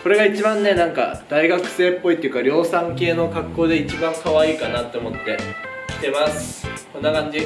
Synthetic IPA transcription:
so̞ɾe̞ɡait͡ɕibãnːe̞nãŋka̰d̪̥aiɡakɯ̟̥se̞ːpːo̞it̪ːeiɯ̟kaɾʲo̞ːsãŋke̞ːno̞ɡakːo̞ːd̪e̞it͡ɕibãŋkaβaiːkanat̪ːe̞omo̞t̪ːe̞̥t̪e̞masɨ̥kõ̞nːakãɲd͡ʑi

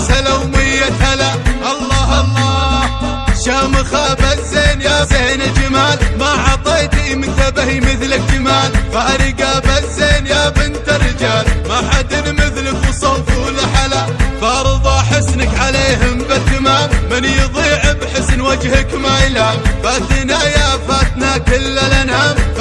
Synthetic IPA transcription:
salawmɪjːathalaʔɑlˤːɑːɦɑlˤːɑː | ʃaːmaxabaseːnjaseːnald͡ʒamaːlmaʕɑt̪ˤejt̪imɪnt̪abahimɪθlak̚d͡ʒamaːlfaʔaɾiɡabaseːnjabɪnt̪ɪrːɪd͡ʒaːlmaħad̪ɪnmɪθlakwɨsˤɑfulaħalaːfɑɾˤɨðˤɑħɪsnakʕaleːɦʊmbat̪ːamaːmmɪnjðˤiːʕɪbħɪsnwad͡ʒhakmajlaːlfat̪inajafat̪nakɪlːalʔanʕaːm

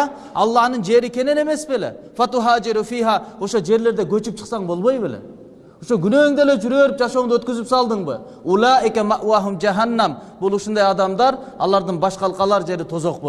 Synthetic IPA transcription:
ɑlˠːɑhnɨnd͡ʒeɾɪkʲʰenenemesbelɛ̰ | fɛt̪ʊɦaːd͡ʒɪɾufiːɦaoʃod͡ʒeɾleɾd̪ɛɡʲøt͡ʃyp̚t͡ʃʰə̥χsɑŋbolˠbojbelɛ̰ | uʃoɡʲynøŋd̪elɛd͡ʒyɾeɾyp̚d͡ʒɑʃoŋd̪ɑøt̪kʲyzypsɑlˠd̪ɨŋbɨ̰ | ʊlaːʔɪkʲɛmæʔwaɦumd͡ʒaɦænːæmbulˠuʃund̪ɑjɑd̪ɑmd̪ɑɾ | ɑ̰lˠɑɾd̪ɨnbɑʃqɑlˠqɑlˠɑɾd͡ʒeɾɪt̪ʰozoqbo

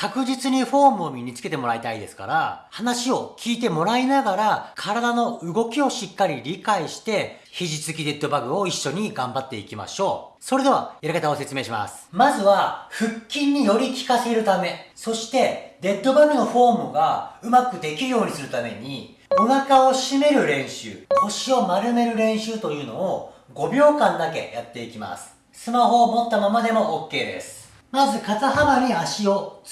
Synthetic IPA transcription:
kakɯ̟ʑit͡sɨɲ̟iɸo̞ːmɯ̟omʲiɲ̟it͡sɨ̥ke̞t̪emo̞ɾait̪aid̪e̞sɨ̥ka̰ɾa̰hanaɕio̞kʲʰiːt̪̬e̞mo̞ɾainaɡaɾakʰaɾad̪ano̞ɯ̟ɡo̞kʲio̞ɕikːaɾʲiɾʲikaiɕi̥t̪e̞çiʑit͡sɨk̬ʲid̪e̞t̪ːo̞baɡɯ̟o̞iɕːo̞ɲ̟iɡãmbat̪ːe̞ikʲima̰ɕo̞ːsoɾe̞d̪e̞βaaɾakat̪aose̞t͡sɨme̞ːɕima̰sɨ̥mazɨβaɸɯ̟kʲːĩɲ̟ːijo̞ɾʲikʲi̥kase̞ɾɯ̟t̪ame̞so̞ɕi̥t̪e̞d̪e̞t̪ːo̞bamɯ̟no̞ɸo̞ːmɯɡaɯ̟makɯ̟d̪e̞kʲiɾɯ̟jo̞ːɲ̟isɨɾɯ̟t̪ame̞̰ɲ̟i | o̞nakao̞ɕime̞ɾɯ̟ɾẽ̞ɰ̃ɕɨ̰ːho̞ɕio̞maɾɯ̟me̞ɾɯ̟ɾẽ̞ɰ̃ɕɨːt̪o̞jɯ̟ːno̞̰ː | ɡo̞bʲjo̞ːkãnd̪ake̞jat̪ːe̞ikʲima̰sɨ̥ | sɨmaɦo̞ːmo̞t̪ːamamad̪e̞mo̞ʔoːkːe̞ːd̪e̞̰sɨ̥ | mazɨkataɦabaɲ̟iaɕio̞

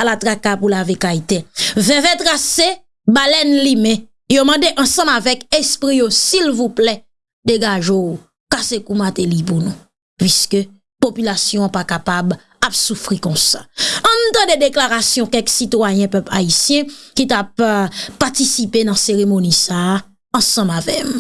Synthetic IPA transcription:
alat̪ʁakapulavekait̪evɛ̃vɛt̪ʁase | balɛnlimɛ̃ | jomɑ̃deʔɑ̃sɑ̃mavɛkespʁijosilvuplɛ | d̪eɡaʒou | kasekumat̪elip̬unũ | pɥiskø | popylasjɔ̃pakapab | apsufʁikɔ̃sḁɑ̃nt̪ɑ̃d̪ed̪eklaʁasjɔ̃kɛksit̪wajɛ̃pœpla̰isjɛ̃kit̪ap̚ːaʁt̪isipenãseʁemonisa | ɑ̃sɑ̃mavɛm

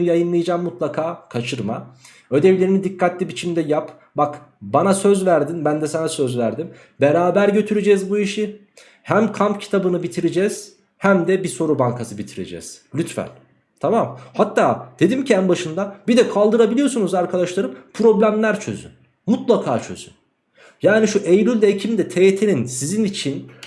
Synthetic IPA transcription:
ɯjajɯnlˠɯjad͡ʒaːmːut̪lˠakʰaːkʰat͡ʃʰɯɾma̰ | ø̞d̪ɛvlʲe̞ɾinid̪ikʰːat̪lʲibit͡ʃʰimd̪ɛjap | bakbanasø̞zvæɾd̪inbænd̪ɛsanasø̞zvæɾd̪im | beɾaːbæɾɟø̞t̪ʰyɾed͡ʒɛzbuiʃi | hæmkʰampcʰi̥t̪ʰabɯnɯbit̪ʰiɾed͡ʒɛz̥ | hæmd̪ɛbiso̞ɾubaŋkʰasɯbit̪ʰiɾḛd͡ʒɛ̰z̥lʲyt̪fæ̰nʲ | t̪ʰamamhat̪ʰːaːd̪̥ed̪imciænbaʃɯnd̪abid̪ɛkʰalˠd̪ɯɾabilʲijo̞sunuzaɾkʰad̪aʃlˠaɾɯmpʰɾo̞blʲæmlʲæɾt͡ʃʰø̰zy̰n | mut̪lˠakʰaːt͡ʃʰø̞̰z̥y̰n | jaːniʃuʔejɾylʲd̪ɛcʰimd̪ɛt̪ʰejet̪ʰeninsizinit͡ʃʰin

